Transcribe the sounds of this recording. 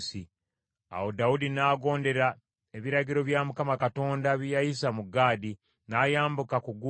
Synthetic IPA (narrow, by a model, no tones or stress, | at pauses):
si | a̰wodaudinaːɡo̞ːnde̞ɾa | eβiɾaɟiɾo̞βjamukamakato̞ːndaβijajis̬amuɡaːdi | naːjaːmbukakuɡu